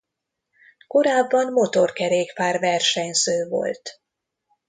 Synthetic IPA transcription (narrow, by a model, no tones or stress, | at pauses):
ko̞ɾaːbːɒnmo̞t̪o̞rkɛɾeːkpaːrvɛrʃɛɲsøːvo̞̰lt̪